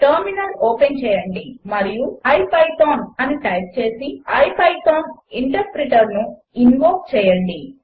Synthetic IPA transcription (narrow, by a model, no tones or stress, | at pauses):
ʈɐɾminɐloːpent͡ʃɛːjɐɳɖimɐɾijuɐjpɐjt̪oːnɐniʈɐjp̚t͡ʃe̞ːsiɐjpɐjt̪oːniɳʈɐɾpɾiʈɐɾnu | inʋoːkt͡ʃɛːjɐɳɖi